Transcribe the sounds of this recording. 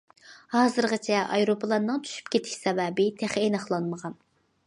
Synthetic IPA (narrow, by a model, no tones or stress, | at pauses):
hɑːzɨɾʁɑt͡ʃʰɛʔɑjɾopʰəlˠɑnːɨŋt̪ʰy̥ʃy̥pkʲet̪ʰɪ̥ʃsɛvɛːbɪt̪ʰæχenɑχlˠɑnməʁɑn